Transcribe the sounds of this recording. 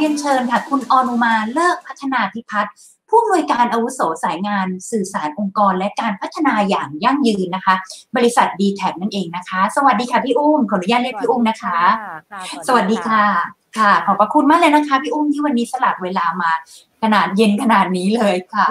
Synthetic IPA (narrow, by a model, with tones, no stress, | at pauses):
i˧əŋt͡ɕʰɤː˧nkʰa˥˩kʰu˧nʔɔː˧no˧maː˧lɤː˥˩k̚pʰa˦˥t̪ʰːa˧naː˧t̪ʰi˦˥pʰa˦˥t̪̚ | pʰuː˥˩˨mnu˧əjkaː˧nʔa˧wu˦˥sɔː˩˦saː˩˦jŋaː˧nsɯː˨˩saː˩˦nʔo˧ŋkɔː˧nlɛ˦˥kaː˧npʰa˦˥t̪ʰːa˧naː˧jaː˨˩ŋja˥˩ŋjɯː˧nːa˦˥kʰa˦˥bɔː˧ɾi˦˥sa˨˩t̪̚diː˧t̪ʰɛː˨˩p̚na˥nʔeː˧ŋna˦˥kʰa˦˥sa˧wa˨˩t̪̚diː˧kʰa˥˩pʰiː˥˩ʔuː˥˩mkʰɔː˨˩nu˦jaː˥˩t̪̚li˥ək̚pʰiː˥ʔuː˥˩mna˦˥kʰa˦˥ | sa˧wa˨˩t̪̚diː˧kʰa˥˩ | kʰa˥˩kʰɔː˩˦pɾa˧kʰu˧nmaː˥˩klɤː˧jna˦˥kʰa˦˥pʰiː˥˩ʔuː˥˩mt̪ʰiː˥˩wa˧nːiː˦˥sa˧la˨˩p̚weː˧laː˧maː˧ | kʰa˧naː˨˩t̪̚je˦˧˥nkʰa˧naː˨˩t̪̚niː˦˥lɤː˧jkʰa˥˩